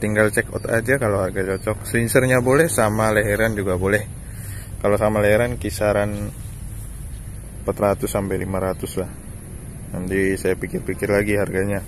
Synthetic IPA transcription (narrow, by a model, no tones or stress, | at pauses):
t̪iŋɡalt͡ʃɛkɔ̰t̪a̰d͡ʒakaloharɡat͡ʃɔt͡ʃɔk̚slinsərɲabolɛhsamalaɦɛɾand͡ʒuɡabolɛh | kalosamalaɦɛɾankisaɾan | pat̪rat̪ʊshampajlimaɾat̪ʊslah | nand̪isajapikɪrpikɪrlaɡiɦarɡaɲa